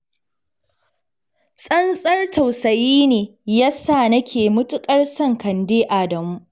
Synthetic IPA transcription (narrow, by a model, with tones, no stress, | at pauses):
sʼɐ˦nsʼɐ˦rtʰɐ˨wsɐ˨jiː˦neː˨jaː˦saː˦˨nɐ˦kʲʰeː˨mʊ˦tʊ˦kʼɐ˦rsɐ˦˨ŋkɐ˨ndeː˦ʔa˨dɐ˨mu˦